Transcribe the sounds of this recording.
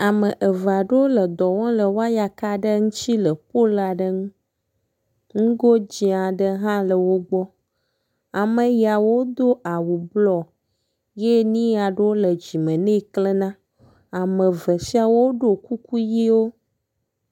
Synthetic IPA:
a˨mə̃˨ʔə˨va˨ɖə˦wo˦lə˨d̪ɔ˨wɔ̃˦lə˨wo˦a˦ja˨ka˦ɖə˦ŋũ˦t͡ʃi˦lə˨po˦la˨ɖə˦ŋũ˦ | ŋũ˦ɡo˦d͡ʑi˦a˨ɖə˦ɦã˦lə˨wo˦ɡ͡bɔ˦ | a˨mə˨ja˨wo˦d̪o˦ʔa˨wu˨blɔ˨ | je˦nĩ˦ja˨ɖə˦wo˦lə˨d͡ʑi˨mə̃˨nẽ˦klə˦nã˦ | a˨mə̃˨və˨si˦a˦wo˦ɖo˨ku˦ku˦ji˦wo˦

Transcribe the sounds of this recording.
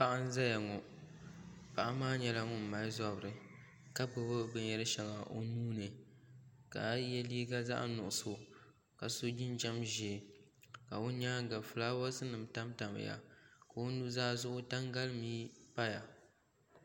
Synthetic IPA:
pa˦ʔa˦n˦za˦ja˨ŋɔ˨ | pa˨ʔa˦maː˦ɲɛ˨la˦ŋʊ˦m̩˨ma˨lza˦bɾɨ˨ | ka˦bɨ˨bɨ˦bɨ˦ɲɛ˦ɾɨ˦ʃɛ˨ŋa˨ʔo˦nuː˦nɨ˨ | ka˨jɛ˦liː˦ɡa˦za̰˦ʔnʊ˨ʔʊ˨so˨ | ka˨so˦d͡ʒɪ˦nd͡ʒa˦mʒi˨ | ka˨ʊ˦ɲaː˦ɡa˨lfɨ˨laː˦wa˦sɨ˦nɨ˨mta˦mta˨mɨ̰˨ja̰˨ka˨o˦nu˦zaː˦zʊ˦ʔʊ˦ta˦ŋɡa˦lmiː˦pa˦ja˨

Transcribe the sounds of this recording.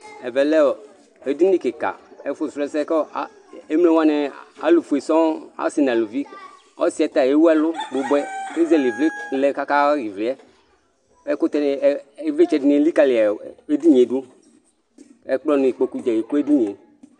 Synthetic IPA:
ɛ˨vɛ˨lɛ˦ɔ˨ | e˦di˦ni˦ke˨ka̰˨e˨˦fʊ˦˨sɛ˨˦sɛ˦kɔ˦ | e˦mlɛ˨wa˦nɛ˨a̰˦lu˨fu˨e˨sɔ̃˦a̰˦si˨n˨a˨lu˨vi˦ | ɔ˦si˨ɛ˨t̪a˨je˨˦wu˦ɛ˦lʊ˦ɡ͡bʊ˨bɛ˦ke˦zɛ˦li˨vlɪ˦lɛ˦ka˦ka˦ɾi˨vlɪ˨˦ɛ˦ | ɛ˨˦kʊ˦t̪ɛ˦n˨˦e˨˦ve˦t͡ʃɛ˨di˨ni˨˦li˦ka˦˨lɪ˨a˨e˦di˦ɲe˨˦du˦ | ɛ˦k͡plɔ˦nʊ̃˨i˨k͡po˨ku˦d͡ʒɛ˨ji˨ko˦e˦di˦ɲe˨

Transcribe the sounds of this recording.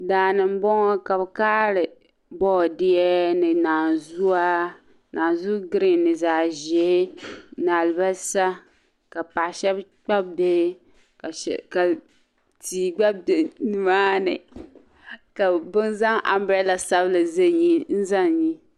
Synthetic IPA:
daː˨nɨ˨m̩˦bɔ˦ŋɔ˦ka˨bkaː˦lɨ˨ | bɔː˦˨dɪ˦ɛ˦nɨ˨naː˨zu˦a˦ | naː˨nzu˦ɡɾɪ˨nːɨ˨zaː˨ʒɛ˦naː˨lba˦sa˦ | ka˨pa˨ʔʃɛ˦bk͡pa˦b̚be˦˨˦ | ka˨ | tiː˨ɡ͡ba˦b̚dnɨ˨maː˦nɨ̰˨ | ka˨bʊ˦nza˦ŋʔa̰˨mbɾɛ˦la˨sa˦blɨ˨ze˦ɲi˦n̩˦za˦˨ŋ˨ɲi˦

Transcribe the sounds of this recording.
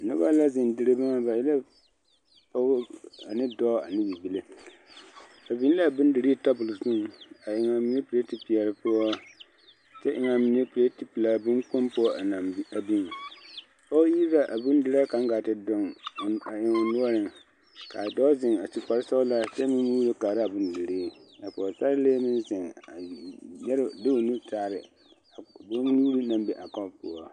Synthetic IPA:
nʊ̰˦ba̰˦la˦zɪ˨n˨dɨ˦ɾɨ˦ba˦ŋa˦ba˨ji˦la˦ | pa˦a˨nɪ˦dɔ˦a̰˨nɪ˦bi˨bi˨le˦ | a˨bi˦n˦la˦˨bɨ˦n˦dɨ˨ɾi˦ta˦bʊ˨lzu˦ŋ˨a˨ʔɪ˨ŋa˨mi˨ne˦pɨ˨ɾe˦ti˨pi˨ɛ˨lɨ˨pʊ˦ɔ˦ | t͡ʃɛ˦ʔɪ˦ŋa˨mi˨˦ne˦pe˦ti˨pi˨la˨bɨ˦ŋk͡po˦mpo˦a˨na˨˦a˨bi˦ŋ˨ | kɔ˦ji˦ɾa˦ʔa˨bʊ˦n˦dɪ˦ɾa˦ka˨ŋ˦ɡa˨tɪ˦dʊ˦ŋ˨a˨ɪ˨ŋʊ˨nʊ˦ɔ˦ɾɪ˨ŋ | ka˨dɔ˦zɪ˨ŋa˨ti˨k͡pa˨ɾɪ˦sɔ˦ʊ˦la˦t͡ʃɛ˦mɪ˦nmuː˦ɾo˦kaː˨ɾa˦a˨bʊ˦ndɪ˨ɾe˦a˨pɔ˨sa˦leː˦mɪ˦nzɪ˨ŋa˨jɛ˦ɾɪ˦dɪ˦o˨nu˦taː˦˨ɾɪ˨ | do˦ŋnuː˦ɾi˦na˦mbɛ˨ʔa˨kɔ˦pʊ˦ɔ˦˨

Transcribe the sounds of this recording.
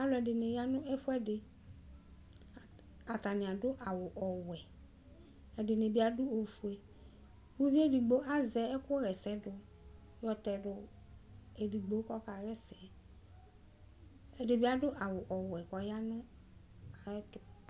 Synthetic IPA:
a˨lɔ˨ɛ˨dɪ˨nɪ̃˨ja˦nʊ̃˦ɛ˦fʊ˦ɛ˦dɪ˨ | a˨ta˨nɪ̃˨a˨dʊ˦ʔa˨wʊ˨ʔɔ˨wɛ˨ | ɛ˨dɪ˨nɪ˨bɪ˦a˦dʊ˦o˨fu˨ɛ˨˦ | wu˦vi˦e˦di˨ɡ͡bo˦ʔa˦zɛ˨˦ɛ˦kʊ˦ɾɛ˨sɛ˦dʊ˨ | jɔ˨tɛ˨dʊ˨ | e˨di˨ɡ͡bo˨˦kɔ˦ka˨ɾɛ˦sɛ˨ | ɛ˨dɪ˨bɪ˦a˦dʊ˦ʔa˨wʊ˨ʔɔ˨wɛ˨kɔ˨ja˦nʊ̃˦ | a˨ɛ˦kɪ˨

